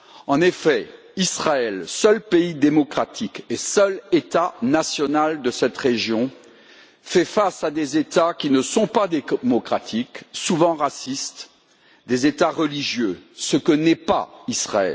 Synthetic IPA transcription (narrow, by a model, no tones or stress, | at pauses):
ɑ̃nefɛ | isχaɛlsœlpeid̪emɔkχat̪ʰikesœlet̪anasjɔnald̪əsɛt̪ʁeʒjɔ̃ | fɛfasad̪ezet̪akʲinəsɔ̃pad̪emɔkχat̪ʰiksuvɑ̃ʁasist̪ | d̪ezet̪aʁəliʒjøsəkənɛpa̰isχa̰ɛ̰l